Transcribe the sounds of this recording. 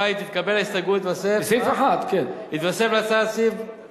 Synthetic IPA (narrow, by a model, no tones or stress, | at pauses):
ajit̪it̪kabelaist̪aɡuit̪vasesifaχat̪kenit̪vasevlat͡sadsif